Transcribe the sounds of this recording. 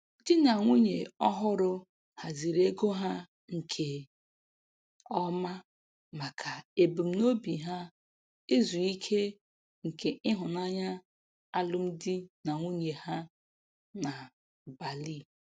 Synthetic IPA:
dɪ˦na˨ŋʷu˦ɲe˨ɔ˦ɦʊ˦ɾʊ˦ | ha˨zi˨ɾe˦ɡo˦ɦa˦ | ŋ̩˨kʰe˨ | ɔ˦ma˦ | ma˨kʰa˨e˨bu˨m̩˨no˦bi˨ɦa˦ | e˦zu˨i˦kʰe˦ | ŋ̩˨kʰe˨ɪ˦ɦʊ˨na˦ɲa˦ | a˦lʊ˦m̩˦dɪ˦na˨ŋʷu˦ɲe˨ha˦ | na˨ | ba˨li˦˨

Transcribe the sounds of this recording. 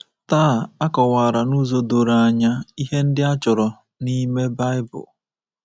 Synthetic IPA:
taː˦˨a˦kɔ˨waː˨ɾa˨nu˦zo˦do˨ɾa˨a˨ɲa˦i˦ɦe˦n̩˦dɪ˦a˦t͡ʃʊ˨ɾɔ˨ | ni˦me˦ba˦ɪ˦bʊ̰˨

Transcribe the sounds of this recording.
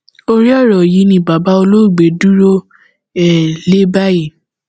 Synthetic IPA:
o˧ɾi˦ɔ˦˨ɾɔ˨ji˨˦nĩ˧˨ba˨ba˦o˧lo˦˨ɡ͡be˨˦du˦ɾo˦ | ɛ˦˨le˦ba˦ji˦˨

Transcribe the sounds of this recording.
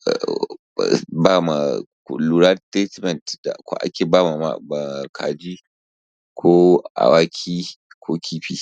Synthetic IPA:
baː˦˨ma̰˨kluː˨ɾa˦te˦tmɛ˨ntda̰˨kʷa̰˦ʔa̰˦kʲeː˨baː˦ma˨ma̰˨ma˨kʰa̰ː˨d͡ʒi˦ | kʰoː˦ʔa̰˨waː˦kʲʰiː˦ | kʰʷoː˦kʲʰiː˦ɸiː˦

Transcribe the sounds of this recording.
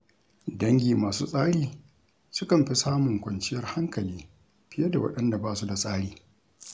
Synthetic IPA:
dɐ˦ŋɡʲiː˨maː˨suː˦sʼaː˦ɽiː˨ | sʊ˦kɐ˨mɸi˦saː˦mʊ˨ŋkʷɐ˨nt͡ʃɪ˦jɐ˦rha˦ŋkɐ˨liː˦ | ɸɪ˦jɐ˦da˨wɐ̰˦ɗɐ˦nda˨baː˦su˦da˨sʼaː˦ɽiː˨

